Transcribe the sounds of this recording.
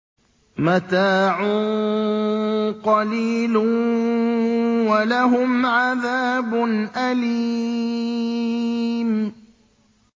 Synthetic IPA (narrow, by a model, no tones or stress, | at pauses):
mat̪aːʕuː | qɑliːlʊ | walaɦʊmʕaðaːbʊnʔaliː | m